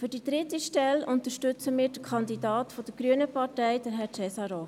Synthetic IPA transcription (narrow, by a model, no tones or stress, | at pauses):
fɵdid̥ɾɪtiʃtɛlʔʊnt̪əʃtʏt͡səmɪːɾd̥əkʰɑnd̪idɑːtfɔd̥əɡ̥ɾyənəpɑɾtɛɪd̥əɾɦɛt͡sɛsɑɾoː